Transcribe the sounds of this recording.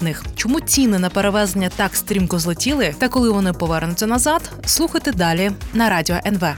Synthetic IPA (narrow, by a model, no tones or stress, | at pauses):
nɪxt͡ʃɔmut͡sʲinɪnɐpeɾeʋɛzenʲːɐt̪ɑkst̪ɾʲimkʊzlˠɔtʲilˠɪt̪ɐkɔlˠɪʋɔnɪpɔʋɛrnʊt͡sʲːɐnɐzɑd̪ | slˠuxɐjt̪ɪd̪ɑlʲinɐɾɑdʲiɔʔɛnʋɛ